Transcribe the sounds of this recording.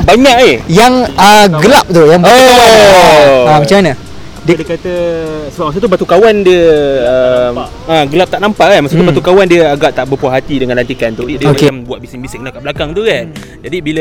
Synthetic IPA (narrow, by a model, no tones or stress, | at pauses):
baɲaʔihjaŋəɡəlap̚t̪ujaŋbo | amat͡ʃamanə | diədəkat̪əsəbap̚maksot̪ubat̪ukawandiəəm | aɡəlap̚t̪aʔnampaʔkanmaʔksut̪ubat̪ukawandiəaɡaʔt̪aʔbəpuaɦat̪idəŋãnlant̪ikant̪udidiəomakeambuat̪̚bisiŋbisiʔk̚ənakaʔblakaŋt̪ukan | d͡ʒadibilə